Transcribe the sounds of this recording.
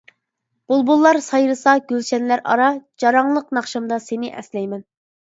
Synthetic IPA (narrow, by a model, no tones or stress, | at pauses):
b̥ulˠbulˠːɑɾsɑjɾɨsɑɡʲølʃɛnlæɾɑ̰ɾɑd͡ʒɑɾɑŋlˠəqnɑχʃɑmd̪ɑsenɪʔɛ̰slɛjmɛn